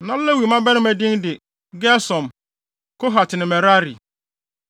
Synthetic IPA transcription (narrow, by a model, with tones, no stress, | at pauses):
nã˦lɛ˦wi˨mã˦bɛ˦nɪ̃˦mæ˨dɪ̃˦ndɪ˨ | ɡɛ˦sɔ̃˨m | kʰo˦ɦa˨tʰɪ˨nɪ̃˨mɛ˨ɾa˦ɾḭ˨